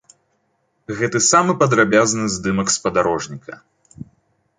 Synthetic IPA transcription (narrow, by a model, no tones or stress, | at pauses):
ɣɛt̪ɨsamɨpɐd̪ɾabʲaznɨzd̪ɨmɐkspɐd̪aɾɔʐnʲikʰɐ̰